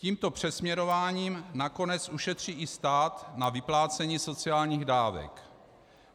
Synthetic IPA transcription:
ciːmt̪o̞pr̝̥ɛsmɲɛɾo̞vaːɲiːmnako̞nɛt͡sʔuʃɛt̪r̝̥iːʔɪst̪aːt̪navɪplaːt͡sɛɲiːso̞t͡sɪaːlɲiːɣdaːvɛ̰k

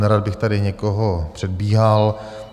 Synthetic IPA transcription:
nɛɾad̪̚bɪxt̪adɪɲɛkoɦopr̝̥ɛdbiːɦal

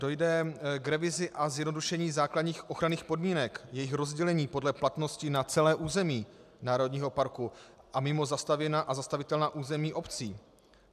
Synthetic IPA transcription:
dojdɛɡɾɛvɪzɪʔazjɛdno̞duʃɛɲiːzaːkladɲiːxʔo̞xɾaniːxpo̞dmiːnɛkjɛjɪxɾo̞zɟɛlɛɲiːpo̞dlɛplat̪no̞scɪnat͡sɛlɛːʔuːzɛmiː | naːɾo̞dɲiːɦo̞paɾku | ʔamɪmo̞zast̪avjɛnaːʔazast̪avɪt̪ɛlnaːʔuːzɛmiːʔo̞pt͡siː

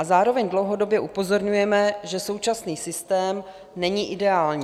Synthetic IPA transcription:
ʔazaːɾo̞vɛɲdlowɦo̞do̞bjɛʔupo̞zo̞ɾɲujɛmɛʒɛso̞wt͡ʃasniːsɪst̪ɛːm | nɛɲiʔɪdɛaːlɲiː

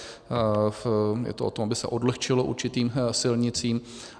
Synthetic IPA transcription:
jɛ̰t̪oʔot̪o̞mabɪsɛ̰ʔo̞dlɛxt͡ʃɪlo̞ʔṵɾt͡ʃɪt̪iːmsɪlɲɪt͡siːm

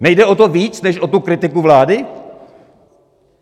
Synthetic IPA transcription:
nɛjdɛo̞t̪oviːt͡snɛʃʔot̪ukɾɪt̪ɪkuvlaːdɪ

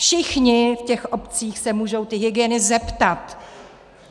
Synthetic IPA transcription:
fʃɪxɲɪfcɛxʔo̞pt͡siːxsɛmuːʒo̞wt̪ɪɦɪɡɪjɛnɪzɛpt̪at̪

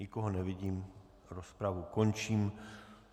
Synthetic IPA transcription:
ɪkoɦonɛvɪɟiːm | ɾospɾavuko̞nt͡ʃiːm

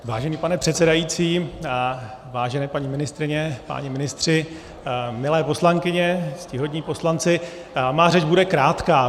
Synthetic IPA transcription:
vaːʒɛniːpanɛpr̥ɛt̪sɛdajit͡siː | vaːʒɛnɛːpaɲimɪnɪst̪ɾɪɲɛpa̰ɲimɪnɪst̪r̝̥ɪ | mɪlɛːpo̞slaŋkɪɲɛscɪɦo̞dɲiːpo̞slant͡sɪ | maːrɛd͡ʒbudɛkɾaːt̪kaː

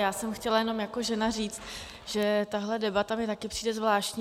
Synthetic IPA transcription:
jaːsɛmxcɛlajɛno̞mjako̞ʒɛnariːt͡st̪ | ʒ̥ɛt̪aɦlɛdɛbat̪amɲɛt̪akɪpr̥i̥ːdɛzvlaːʃcɲ

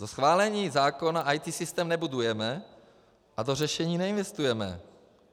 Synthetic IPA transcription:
zosxvaːlɛɲiːzaːkonaʔajt̪iːsɪst̪ɛːmnɛbudujɛmɛ | ʔad̪orɛʃɛɲiːnɛinvɛst̪ujɛmɛ̰

